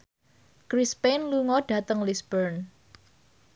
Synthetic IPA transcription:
kɾispenluŋɔɖ̥a̤t̪əŋlisbəɾn

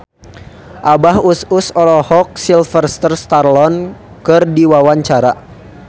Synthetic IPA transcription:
ʔabahususɔlɔhɔk̚silfərst̪ərst̪arlɔn | kɨrdiwawaɲt͡ʃaɾa

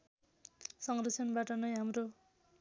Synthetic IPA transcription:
sʌŋrʌsʰʌnbaʈʌnʌjɦamro

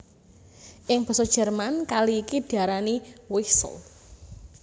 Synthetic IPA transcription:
ʔɪŋb̥ɔ̤sɔd̥ʒ̥ɛ̤rmankaliːkid̥i̤aɾaniwisə̰l

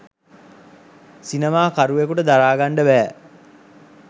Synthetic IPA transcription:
sinemaːkaɾuʋekuʈəd̪aɾaːɡaɳɖəbæː

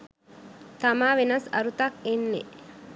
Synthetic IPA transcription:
t̪ɐmaːʋenɐsɐ̰ɾut̪ɐkenːe

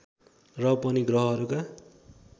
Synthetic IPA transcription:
rʌpʌniɡrʌɦʌɦʌɾuka

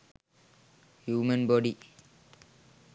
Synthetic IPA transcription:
hjuːmənbɔɖi

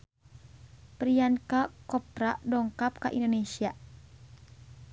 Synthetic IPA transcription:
pɾiankakɔp̚ɾadɔŋkap̚kaʔḭndonesia

